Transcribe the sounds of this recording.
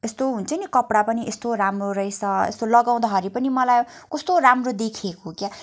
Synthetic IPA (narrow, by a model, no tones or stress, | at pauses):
est̪oɦunt͡sʰʌnikʌpɽapʌniʔest̪oɾamroɾʌjt͡sʰʌḛst̪olʌɡaw̃d̪aɦʌɾipʌnimʌlajkʌst̪oɾamrod̪ekʰjekoɦokja